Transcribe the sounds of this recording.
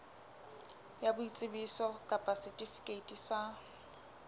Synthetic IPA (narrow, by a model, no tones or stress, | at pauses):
jabʊit͡sʼɪbisɔkʼapʼasitʼifi̥kʼeitʼisa